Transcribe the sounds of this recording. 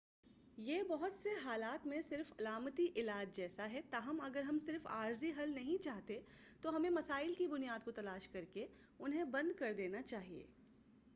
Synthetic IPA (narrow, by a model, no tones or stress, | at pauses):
jeːbɐɦʊt̪seɦaːlaːt̪mẽsɪɾfɐlaːmt̪iʔɪlaːd͡ʒd͡ʒɛːsaɦɛt̪aːɦɐmɐɡəɾɦɐmsɪɾfa̰ːɾziɦɐlnɐɦĩt͡ʃaːɦt̪et̪oɦɐmẽmɐsaːɪlkibʊnijaːd̪̚kot̪ɐlaːʃkɐɾke | ʊnɦẽbɐ̃nd̪̚kɐɾd̪eːnat͡ʃaːɦiḛː